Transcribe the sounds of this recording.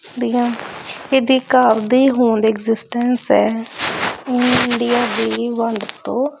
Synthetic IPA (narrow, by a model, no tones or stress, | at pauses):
d̪iːãːked̪iːkaːɾd̪iːɦoːɳd̪eːɪɡzɪsʈɛnsɛː | ɪɪɳɖijaːd̪iːʋəɳɖt̪õː